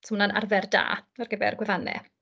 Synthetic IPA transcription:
smnana̰rvɛrda̰ːarɡəbɛ̰rɡwɛvanɛ̰

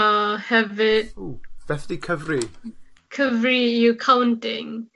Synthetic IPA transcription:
hɛvɪduv̥ɛfdikʰəvrikʰəvrikʰawntɪŋ

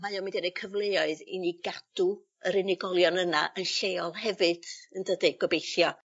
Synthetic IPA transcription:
majɔmindɛnekʰəvlˠejɔɨðḭniɡad̥u | əɾɪnɪɡɔlˠjɔnənaʔənɬeɔlˠhɛvɨd̥əndədɪɡwɔbejθjɔ

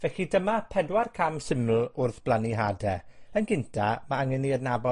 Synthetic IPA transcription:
vɛɬidəmapʰɛdwarkʰamsɪml̩ˠʊrθb̥lˠaniɦadɛənɡɪntʰamaaŋəniərnabɔ

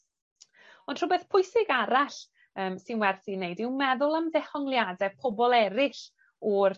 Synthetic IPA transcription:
ɔnd̥r̥ʊbɛθpʰʊjsɪɡaɾaɬ | əːmsɪnwɛrθinejdɪwmɛðʊlˠamðɛhɔŋlˠjadɛpʰɔbɔlˠɛɾɪɬ | ɔr

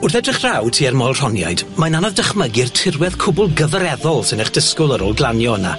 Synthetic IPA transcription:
ʊrθɛdrɪχr̥awtʰiːɛrmɔlˠr̥ɔnja̰jd̥majnanɔvdəχməɡɪrtʰɪrwɛðkʰʊbʊlˠɡəvəɾɛðɔlˠsɪnəχd̥ɪskʊlˠəɾoːlˠɡlˠanjɔəna̰

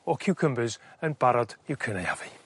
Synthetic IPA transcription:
ɔkʰɪwkʰəmbɨzənbaɾɔdɪwkʰəneja̰vi

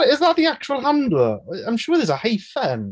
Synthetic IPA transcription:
ɪzðəʔðiak̚t͡ʃuwəlˠɦãndləãɪ̃mʃʊːðəzəhejfɛn

